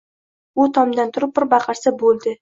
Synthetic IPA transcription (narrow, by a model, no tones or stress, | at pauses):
ʊt̪ʰɒmd̪ant̪ʰʊɾɪp̚ːɪɾbɑqʰɑɾsabolˠd̪ɪ